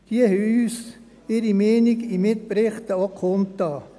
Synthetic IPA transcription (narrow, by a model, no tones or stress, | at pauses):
d̪̥iəhyːs | ɪɾimɛːniɡimɪt̪̚pɾɪχt̪əokʰχomt̪ɑː